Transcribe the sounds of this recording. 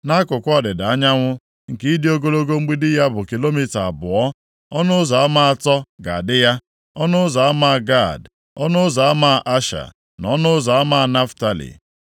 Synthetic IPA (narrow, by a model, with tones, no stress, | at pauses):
na˦kʊ˨kʷɔ˦dɪ˨da˨a˦ɲa˦ŋʷʊ˦ | ŋ̩˨ki˦i˦dɪ˦o˦ɡo˦lo˦ɡo˦ŋ͡m̩˦ɡ͡bi˦dɪ˦ja˦bʊ˨ki˨lo˦mi˦ta˨a˨bʊ˨ɔ˦ | ɔ˦nʊ˦ʊ˦zɔ˨a˦ma˦a˨tɔ˦ɡa˨a˨dɪ˦ja˦ | ɔ˦nʊ˦ʊ˦za˨a˦ma˦˨ɡa˦˨d | ɔ˦nʊ˦zɔ˨a˦ma˦˨ʔa˦ʃa̰˨ | nɔ˦nʊ˦zɔ˨a˦ma˦˨na˦fta˨lḭ˨